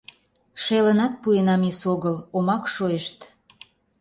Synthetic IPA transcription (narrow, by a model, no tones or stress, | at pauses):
ʃelənɑt̪̚puenɑmisoɣəlomɑkʃojeʃt̪